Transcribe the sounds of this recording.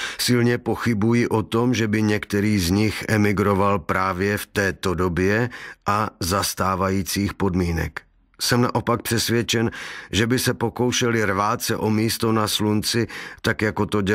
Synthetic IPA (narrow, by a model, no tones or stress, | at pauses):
sɪlɲɛpo̞xɪbujɪʔot̪o̞mʒɛbɪɲɛkt̪ɛɾiːzɲɪxʔɛmɪɡɾo̞valpɾaːvjɛft̪ɛːt̪o̞dobjɛʔazast̪aːvajiːt͡siːxpo̞dmiːnɛ̰k | sɛmna̰ʔo̞pak̚pr̝̥ɛsvjɛt͡ʃɛnʒɛbɪsɛpo̞ko̞wʃɛlɪɾvaːt͡sɛʔo̞miːst̪o̞naslunt͡sɪt̪akjako̞t̪oɟɛ